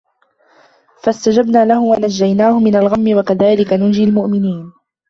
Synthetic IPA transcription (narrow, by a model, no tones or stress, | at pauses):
fast̪ad͡ʒabnaːlahʊwanad͡ʒːajnaːhʊmɪnalɣamːɪwakaðaːlɪkanʊnd͡ʒɪlmʊʔmɪniːn